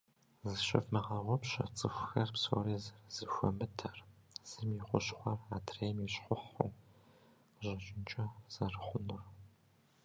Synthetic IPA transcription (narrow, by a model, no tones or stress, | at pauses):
zɨɕɪ̰fmɐʁɐʁʷɔpɕɐ̰t͡sʼɨxʷʊxɐrpso̰riːzɐrzɨxʷɔmɨtʰɐr | z̥ɨmjiχʷʊɕχʷɐraːtʰreːjmjɛɕħʷʊħo̰ | ʑɐt͡ʃʼɪnt͡ʃʼɐz̥ɐrɨχʷʊnʊr